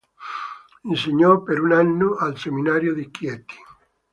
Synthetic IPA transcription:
inseɲɔpeɾunanːoʔalseminaɾjoðikjet̪i̥

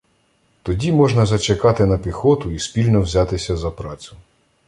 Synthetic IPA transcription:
t̪ɔdʲimɔʒnɐzɐt͡ʃekɑt̪ɪnɐpʲixɔt̪ʊisʲpʲilʲnɔwzʲɑt̪ɪsʲɐzɐpɾɑt͡sʲʊ̥

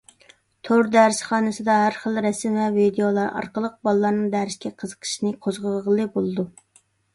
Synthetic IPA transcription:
t̪ʰoɾd̪æɾsχɑːnɨsɨd̪ɑɦæɾχəlˠɾɛsmvɛvid̪ejolˠɑɾɑ̰ɾqəlˠəq̚bɑlˠlˠɑɾnɨŋd̪æɾɪʃkʲɛqʰəzə̥qʰə̥ʃinɨqʰozʁəʁəʁəlˠɨbolˠɨd̪u

